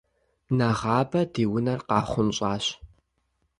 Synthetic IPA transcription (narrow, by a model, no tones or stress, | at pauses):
nɐʁɑːbɐdiːwʊnɐrqɑːχʷʊnɕʼaːɕ